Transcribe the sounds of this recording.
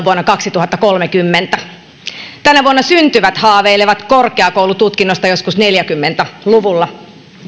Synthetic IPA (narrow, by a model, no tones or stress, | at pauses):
ʋuonːɑkɑksit̪uhɑt̪ːɑkolmekymːent̪æ | t̪ænæʋuonːɑsynt̪yʋæt̪hɑːʋeileʋɑt̪korkeɑkouwlut̪ut̪kinːo̞st̪ɑjo̞skusneljækymːent̪æluʋulːɑ